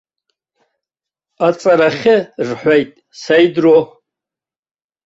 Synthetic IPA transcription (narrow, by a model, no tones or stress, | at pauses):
at͡sʼaɾaχʲɪrħʷᶣajtʼ | sajdro